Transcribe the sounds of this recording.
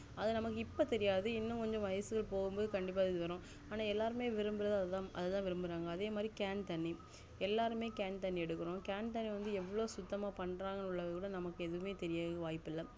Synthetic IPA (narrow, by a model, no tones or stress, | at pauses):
ɐðɐnɐmɐkːɯɪpːɐt̪ɛɾɪjaːðɯɪnːʊ̃kɔɲd͡ʒõʋɐɐsɯɣɐɭpoːɣɯmboːðɯkɐɳɖɪp̬ːaːɪðɯʋɐɾõː | aːnaːɛlːaːɾɯmeːʋɪɾɯmbɪɾɐðɯɐðt̪ãːʔɐðɛt̪ãːʋɪɾɯmbɪɾaːŋɡɐːðeːmaːd̪ɾikaːnt̪ɐnːi | ɛlːaːɾɯmeːkaːnt̪ɐnːiɛɽɯkːɯɾõkaːnt̪ɐnːiʋɐnd̪ɯɛʋːɐɭoːsʊt̪ːɐmaːpɐɳɾaːŋɡɐnʊɭːɐɐkuːɽɐnɐmɐkːɯɛðɯʋɯmeːt̪ɛɾɪjaːðɯʋaːjpːɪlːɐ